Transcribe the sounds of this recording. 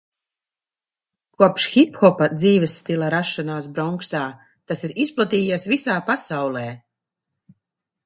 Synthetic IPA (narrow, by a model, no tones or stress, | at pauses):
kuɔpʃxipxɔpad̪ziːvɛsːt̪ilˠaɾaʃːanaːsbɾɔŋksaː | t̪asiɾisplˠat̪iːjesvisaːpasawlˠeː